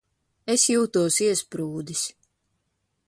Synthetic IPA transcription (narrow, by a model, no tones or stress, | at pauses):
esjuːt̪uɔsiɛspɾuːd̪is